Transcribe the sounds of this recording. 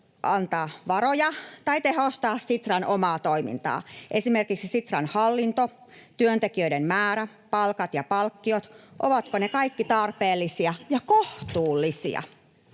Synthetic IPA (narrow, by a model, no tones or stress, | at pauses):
ʔɑnt̪ɑːʋɑɾojɑt̪ɑit̪ehost̪ɑːssit̪rɑnʔomɑːt̪oimḭnt̪ɑ̰ːʔesimerkiksisit̪rɑnhɑlːint̪o | t̪yønt̪ekiøidemmæːɾæ | pɑlkɑt̪jɑpɑlkːiot̪ʔoʋɑt̪konekɑikːit̪ɑrpeːlːisiɑjɑkoht̪uːlːisḭɑ̰